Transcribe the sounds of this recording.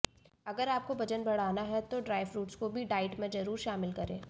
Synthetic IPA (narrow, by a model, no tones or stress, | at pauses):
ɐɡəɾaːp̚kobɐd͡ʒənbɐɽ̤aːnaɦɛt̪oɖɾaːɪʋɾuːʈskobʱiɖaːɪʈmẽd͡ʒɐɾuːɾʃaːmɪlkɐɾẽː